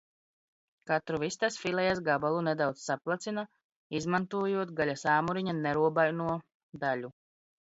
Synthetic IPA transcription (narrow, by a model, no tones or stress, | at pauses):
kat̪ɾuvist̪asfilˠɛjas̬ɡabalˠunɛd̪awt̪ssaplˠat̪sina | izmant̪uɔjuɔt̪ɡaʎʲasaːmuɾiɲanɛɾuɔbajnuɔ | d̪aʎu